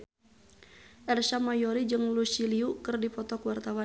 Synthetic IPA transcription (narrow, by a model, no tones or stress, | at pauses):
ʔɛrsamajɔɾid͡ʒɨŋlusiliukɨrdipɔt̪ɔkwart̪awa